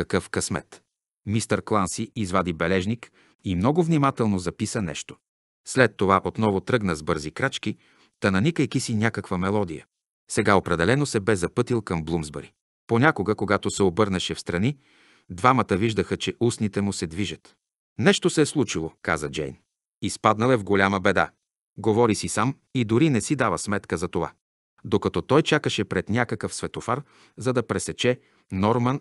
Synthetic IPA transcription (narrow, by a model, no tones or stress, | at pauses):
kɐkɤfkɐsmɛ̰t̪ | mist̪əɾklˠansiizvad̪ibɛlɛʒnik | imnɔɡʊvnimat̪ɛlˠnozɐpisənɛ̰ʃt̪o̥ | slɛt̪ːovaʔot̪nɔvot̪ɾɤɡnəzbɤɾzikɾat͡ʃki | t̪ɐnɐnikəjkisinʲakəkvəmɛlˠɔd̪ijə̰ | sɛɡaopɾɛd̪ɛlɛnosɛbɛzɐpɤt̪ilˠkɐmblˠumzbɐɾi | ponʲakoɡəkoɡat̪osɛobɤɾnəʃɛfst̪ɾɐni | d̪vamət̪əviʒd̪əxət͡ʃɛʔusnit̪ɛmʊsɛd̪viʒət̪ | nɛʃt̪osɛːslˠut͡ʃilˠoka̰zəd͡ʒɛ̰jn | ispad̪nɐlˠɛvɡolʲaməbɛd̪a̰ | ɡovɔɾisisam | id̪ʊɾinɛsid̪avəsmɛt̪kəzɐt̪ova̰ | d̪okɐt̪ɔt̪ɔjt͡ʃakəʃɛpɾɛt̪nʲakəkəfsvɛt̪ofaɾ | zɐd̪ɐpɾɛsɛt͡ʃɛ | nɔɾmɐn